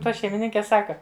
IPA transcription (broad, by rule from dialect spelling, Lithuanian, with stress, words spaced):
ˈtɐ ʃʲɛɪmʲɪˈnʲɪŋʲkʲɛ ˈsɑːkɐ